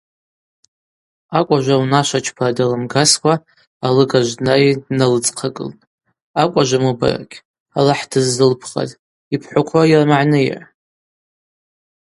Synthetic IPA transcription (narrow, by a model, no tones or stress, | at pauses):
akʷʼaʒʷawnaʃʷat͡ʃʰpʰadalɨmɡaskʷʰaː | lɨɡaʒʷnaidnalɨt͡sʼqʰaɡʼɨ̰ltʼ | akʷʼaʒʷamɨba̰ra̰kʲ | alaħdʰɨzːɨlpʰχa̰zʼ | ipʰħʷʊkʷʰajarmaʕnɨj̰ʕ